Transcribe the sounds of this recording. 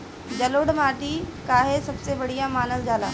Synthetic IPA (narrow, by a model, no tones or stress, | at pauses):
d͡ʑɐloːɽmaːʈikaːɦesɐbseʋɐɽ̤ijamaːnəsɡʱaːlaː